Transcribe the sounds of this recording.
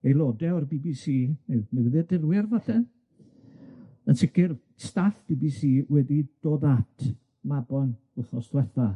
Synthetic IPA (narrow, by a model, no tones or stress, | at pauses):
ejlˠɔdɛɔrbiːbisiːenəwðɪrdɪrwɪrvaθɛ | ənsɪkɪr | staɬb̥ibisiːwɛdid̥oːðatʰ | mabɔn | ʊɬɔsd̥wɛθa